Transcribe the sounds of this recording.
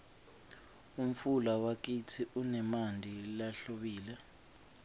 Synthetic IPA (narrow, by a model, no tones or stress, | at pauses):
um̩fulawak̬it͡sʰiʔunɛmandʱilaɬoɓiːlɛ